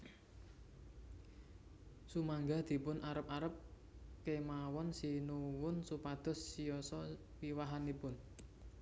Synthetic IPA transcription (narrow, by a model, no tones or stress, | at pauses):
sumaŋɡad̪̥i̤pʊnʔaɾəp̚aɾəp̚ | kemawɔnsinuwʊnsupad̪̥ɔ̤sːijɔsɔ | wiwaɦanipʊn